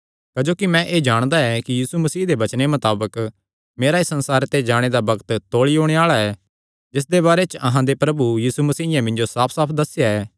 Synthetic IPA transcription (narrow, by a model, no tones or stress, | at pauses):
kɐd͡ʒoːkimɛ̃ʔeːd͡ʒaːɽ̃d̪aɛkijiːsumɐsiːɦd̪ebɐt͡ʃnemɐt̪aːbək | meːɾaisɐ̃nsaːɾt̪ed͡ʒaːɽ̃ed̪abɐɡt̪t̪oːɭiɦoːɽ̃eaːɭaɛː | d͡ʒɪs̬d̪eβaːɾet͡ʃɐɦãd̪epɾɐbujiːsumɐsiːɪjãmɪ̃nd͡ʒosaːpʰsaːpʰd̪ɐsɪjaɛː